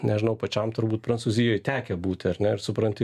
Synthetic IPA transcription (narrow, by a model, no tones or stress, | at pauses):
nʲɛʒʲɪnɐʊpɐt͡ʃʲɛmt̪ʊɾbuːt̪̚pɾɐnsuːzʲɪjoːjt̪ʲæːkʲɛbuːt̪ʲɐɾʲnʲɛɪɾsʊpɾɐnʲtʲɪ